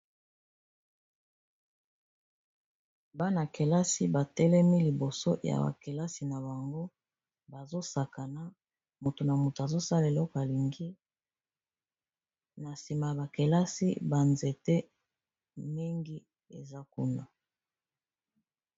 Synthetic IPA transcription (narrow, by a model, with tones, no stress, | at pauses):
ba˦na˨ke˨la˦si˦ba˨tɛ˦lɛ˦mi˦li˨bo˨so˦ja̰˨ba̰˨ke˨la˦si˨na˨ba˨ŋɡo˦ | ba˨zo˦sa˨ka˨na˦ | mo˨to˨na˨mu˨to˨a˨zo˦sa˦la˨e˨lɔ˦ko˨a˨li˨ŋɡi˦ | na˨si˨ma˨ja˨ba˨ke˨la˦si˦ba˨nze˨te˦ | mi˦ŋɡi˦ | ḛ˨za˦ku˦na˨